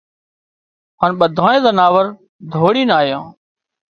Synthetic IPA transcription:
ɦaːnɓəd̪ʱaːnẽːzənaːʋəɾ | d̪ʱoːɽiːnaːjã̰ː

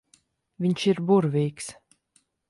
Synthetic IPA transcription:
vʲiɲʃiɾbuɾvʲiːks

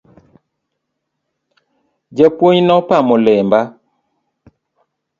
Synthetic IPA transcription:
d͡ʒəpwoɲnɔpamɔlɛmba

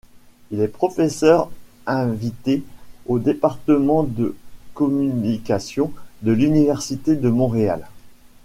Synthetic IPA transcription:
ilɛpχɔfɛsœʁ | ɛ̃vit̪eod̪epaʁt̪əmɑ̃d̪əkɔmynikasjɔ̃d̪əlynivɛʁsit̪ed̪əmɔ̃ʁea̰l

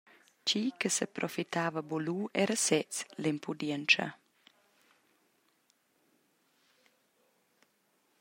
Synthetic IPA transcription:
t͡ʃikəsəpɾʔɔfit̪ʰaːvɐboluʔɛɾəsɛt͡slimpʰud̪jɛnt͡ʃɐ̰

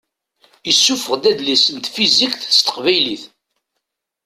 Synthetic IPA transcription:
əsːufəʁd̪æd̪lisənt̪fizikθst̪ə̥qvæjliθ

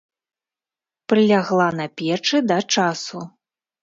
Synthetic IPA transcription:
pɾɨlʲaɣlˠanɐpʲɛt͡ʂɨd̪ɐt͡ʂasu

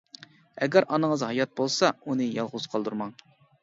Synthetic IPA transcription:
ɛɡʲæɾʔɑnəŋəzɦɑjɑt̪̚bolˠsɑunɨjɑlˠʁʊz̥qʰɑlˠd̪uɾmɑŋ

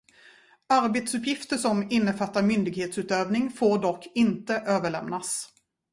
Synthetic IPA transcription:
aɾbeːt̪sɵpjɪft̪əʂɔmɪnːəfat̪ːaɾmʏnd̪ɪɡheːt̪sʉ̟ːt̪øːvnɪŋfoːɖɔkʰːɪnt̪əʔøːvəɭɛmnas

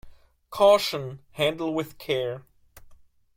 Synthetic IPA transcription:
kʰɔʃə̃nhæ̃ndˡl̩ˠwɪð̥kʰɛɹ

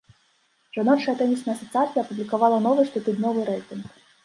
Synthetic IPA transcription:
ʐ̥anɔt͡ʃɐɐt̪ɛmʲisnɐjɐsɐt̪sɨat̪sʲijɐpublʲikavɑlˠɐnɔvɨʂt̪ɨt̪ud̪ʲnʲɔvɨɾɛjt̪ɨnx

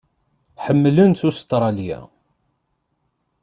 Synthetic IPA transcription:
ħəmːlənt̪ust̪ɾˤɑljæ̰

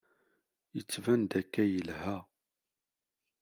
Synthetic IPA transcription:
jət͡sːvænd̪ækːæjəlhæ

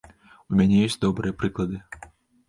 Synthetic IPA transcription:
umʲɛnʲɛjesʲd̪ɔbɾɨjɐpɾɨklˠɐd̪ɨ

